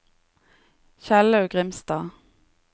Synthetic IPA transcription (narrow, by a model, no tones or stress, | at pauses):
çælɑʉɡʁɪmst̪ɑː